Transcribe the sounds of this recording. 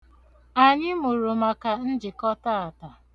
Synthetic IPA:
a˨ɲɪ˦mʊ˨ɾʊ˨ma˨ka˨n̩˦d͡ʒɪ˨kɔ˦ta˦a˨ta˨

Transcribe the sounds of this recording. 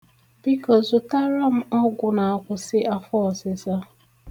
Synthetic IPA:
bi˦kɔ˦zʊ˨ta˦ɾa˦m̩˦ɔ˦ɡʷʊ˨na˨a˦kʷʊ˨sɪ˦ʔa˦fɔ˦˨sɪ˨za˦

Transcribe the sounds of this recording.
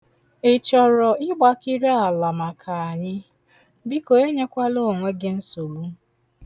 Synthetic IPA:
ɪ˨t͡ʃɔ˨ɾɔ˨ɪ˦ɡ͡ba˦ki˦ɾe˦a˨la˨ma˨kʰa˨a˨ɲɪ˦ | bi˦ko˨e˦ɲe˦kʷa˦lo˦˨ŋʷe˦ɡɪ˦n̩˦so˨lu˦

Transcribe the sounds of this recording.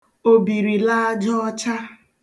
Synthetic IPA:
o˨bi˨ɾi˨la˦a˦d͡ʒɔ˦ɔ˦t͡ʃa˦

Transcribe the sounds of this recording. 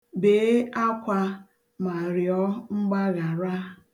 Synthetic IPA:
be˨˦a˦kʷa˦ | ma˨ɾjɔ˦ŋ͡m̩˦ɡ͡ba˦ɣa˨ɾa˦

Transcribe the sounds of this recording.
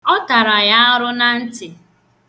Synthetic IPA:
ɔ˦ta˨ɾa˨ja˦ɾʊ˦na˦n̩˦tɪ˨

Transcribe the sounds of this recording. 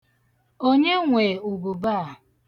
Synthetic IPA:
o˦ɲe˦ŋʷe˨u˨bu˨ba˦˨

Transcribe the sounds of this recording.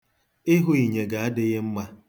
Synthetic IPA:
ɪ˦ɦʊ˦i˨ɲe˨ɡa˨a˦dɪ˦ɣɪ˦m̩˦ma˦

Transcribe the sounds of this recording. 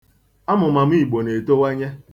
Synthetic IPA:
a˦mʊ˨ma˨m̩˦i˦˨ɡ͡bo˨ne˨to˦we˦ɲe˦

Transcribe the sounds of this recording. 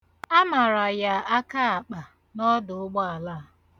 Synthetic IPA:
a˦ma˨ɾa˨ja˨a˦ka˦a˨k͡pa˨ | nɔ˦dʊ˨ʊ˦ɡ͡bɔ˦a˨la˦˨

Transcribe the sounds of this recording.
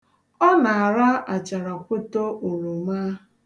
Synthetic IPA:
ɔ˦na˨a˨ɾa˦a˨t͡ʃa˨ɾa˨kʷʊ˦to˦ʔo˨ɾo˨ma˦

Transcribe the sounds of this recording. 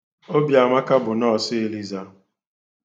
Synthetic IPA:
o˦bja˨ma˦ka˦bʊ˨nɔ˦˨sɪ˦e˨li˦za˦˨

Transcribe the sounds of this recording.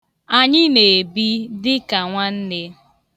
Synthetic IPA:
a˨ɲɪ˦ne˨bi˦dɪ˦ka˨ŋʷa˦n̩˦ne˦

